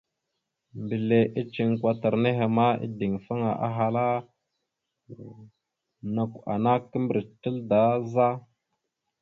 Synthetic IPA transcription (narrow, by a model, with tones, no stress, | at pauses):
mbi˨le˨ʔi˦t͡ʃi˨ŋkʷa˨ta˨ɾne˦ɦe˨ma˦ḭ˦di˨ŋfa˦ŋa˨ʔa̰˦ɦa˨la˦ | na˨ka̰˨na˦kːə˦mbɾi˨tə˦lda˨˦za˦